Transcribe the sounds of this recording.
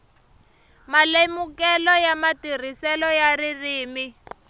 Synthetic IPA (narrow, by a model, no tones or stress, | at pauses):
malemukɛlɔjamatir̤isɛlɔjaririːmi